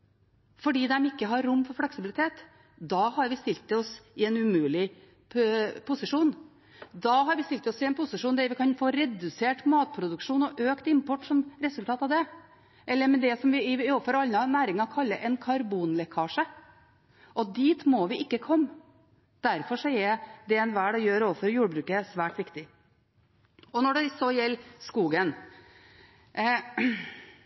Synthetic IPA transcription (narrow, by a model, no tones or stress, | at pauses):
fɔɖiːd̪ɛmɪkːəɦɑɾɾʊmːfɔɾflɛksɪbɪlɪt̪ʰeːt̪ | d̪ɑːhɑɾʋɪst̪ɪlt̪ːɪɔsɪɛnʉmʉːlɪ | pʰʊsɪʂuːn | d̪ɑːɦɑɾʋɪst̪ɪlt̪ːɪɔsɪɛnpʰʊsɪʂuːnd̪ɛɾʋɪkʰɑnfoːɾɛd̪ʉseːʈmɑːt̪̚pʰɾʊd̪ʉkʂuːnɔʔøːkt̪ɪmpɔʈsɔmɾɛsʉlt̪ʰɑːt̪ɑʋd̪ɛ | ʔɛlːəɾmɛd̪ɛsɔmʋɪɪoːfɔɾɑlnɑnæːɾɪŋɑkʰɑlːəɾʔɛnkʰɑɾbuːnlɛkʰɑːʂə | ʔɔd̪iːt̪mɔʋɪʔɪkːəkʰɔmː | d̪̥æɾfɔʂɔɛd̪ɛɛnʋæːɖɔjøːɾoːʋəfɔɾjuːɽbɾʉːkəsʋæːʈʋɪkt̪ɪ | ɔnɔɖɛsɔjɛlːskuːɡən